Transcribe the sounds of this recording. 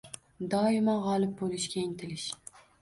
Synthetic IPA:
d̪ɒɪmaʁɒlˠɪp̚bolɪʃkʲaŋt̪ʰɪlɪʃ

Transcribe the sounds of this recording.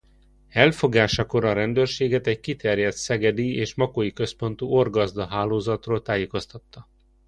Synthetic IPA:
ɛlfo̞ɡaːʃɒko̞ɾɒɾɛnd̪øːrʃeːɡɛt̪ɛckit̪ɛrjɛt̪sɛɡɛd̪ieːʃmɒkojikø̞spo̞nt̪uo̞rɡɒzd̪ɒɦaːloːzɒt̪roːlt̪aːjeːko̞st̪ɒt̪ːɒ

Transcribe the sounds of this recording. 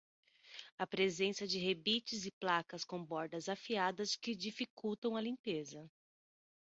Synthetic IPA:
ɐpɾezẽsɐd͡ʒɪɦebit͡ʃɪzɪplakɐskõbɔɾd̪ɐzafiad̪ɐskɪd͡ʒifikuwt̪ɐ̃w̃ɐlĩpezɐ

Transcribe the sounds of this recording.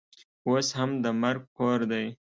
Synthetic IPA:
oshamd̪əmaɾɡ̚poɾd̪aj

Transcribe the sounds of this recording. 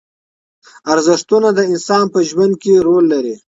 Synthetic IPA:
aɾzɪʂt̪unad̪əɪnsɑːnpəʒwand̪̚keɾolːaɾi

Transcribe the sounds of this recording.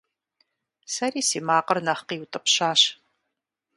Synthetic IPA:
sɐɾiːsiːmaːqərnɐχqiːwutʼɨpɕaːɕ

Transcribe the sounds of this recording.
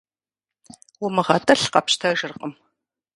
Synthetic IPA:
wʊmɨʁɐtʰʼɐɬqɐpʃtʰɐʒɨrqʼəm

